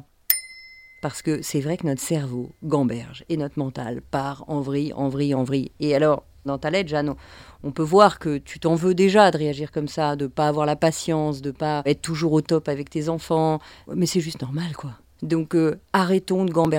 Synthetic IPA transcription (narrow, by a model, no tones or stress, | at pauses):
paʁsə̥kəsɛvʁɛkənɔt̪χə̥sɛʁvoɡɑ̃bɛʁʒɛnɔt̪χmɑ̃t̪a̰lpaʁɑ̃vʁiʔɑ̃vʁiɑ̃vʁiealɔʁ | d̪ɑ̃t̪alɛt̪ʒanɔ̃pøvwaʁkət̪ʰyt̪ɑ̃vød̪eʒad̪əʁeaʒiʁkɔmsad̪əpaːvwaʁlapasjɑ̃sd̪əpaɛt̪ət̪ːuʒuʁot̪ɔpavɛk̚t̪ezɑ̃fɑ̃mɛsɛʒyst̪nɔʁmalkwa | d̪ɔ̃køaʁɛt̪ɔ̃d̪əɡɑ̃bɛ